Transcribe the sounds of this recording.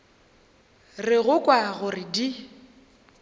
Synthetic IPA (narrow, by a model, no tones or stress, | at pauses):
rɪɣʊkʼwaɣʊrɪdi